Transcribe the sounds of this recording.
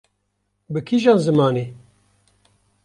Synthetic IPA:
bɨkʰiʒɑːnzɨmɑːneː

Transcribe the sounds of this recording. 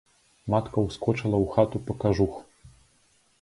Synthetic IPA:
mat̪kɐwskɔt͡ʂɐlˠɐwxat̪upɐkaʐux

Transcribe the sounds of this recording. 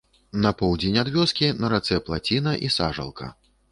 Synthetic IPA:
nɐpɔwd͡zʲenʲad̪vʲɔskʲinɐɾat̪sɛplˠat͡sʲinɐʔisaʐɐ̰lˠkʰɐ̰

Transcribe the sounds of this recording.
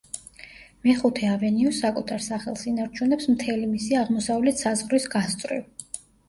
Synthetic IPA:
mɛχut̪ʰɛavɛniɔsːakʼut̪ʰaɾsaχɛlˠsinaɾt͡ʃʰunɛpsmt̪ʰɛlimisiaʁmɔsavlɛt̪ʰsazʁɾisɡast̪sʼɾḭv

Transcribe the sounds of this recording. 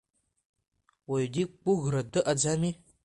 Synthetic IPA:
wajdik͡puɣɾadɨʔad͡zami

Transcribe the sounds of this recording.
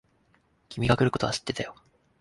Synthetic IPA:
kʲimʲiɡakɯ̟ɾɯ̟ko̞t̪o̞aɕi̥t̪ːe̞t̪ajo̞

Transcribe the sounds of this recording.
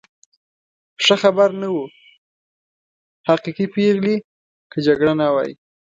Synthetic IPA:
ʂəxabaɾnawu | haqiqipeɣli | kəd͡ʒaɡɽanawa̰jḭ

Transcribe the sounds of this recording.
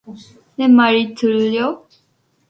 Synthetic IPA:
nemaɾit̪ɯɭːjo

